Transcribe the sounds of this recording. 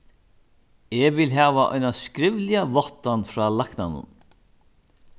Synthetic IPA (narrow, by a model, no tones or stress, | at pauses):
ɛvɪlɦæːvaʔɔ̰jnaskɾɪvlɪavɔht̪ːanfɾaːlakna̰nʊ̰n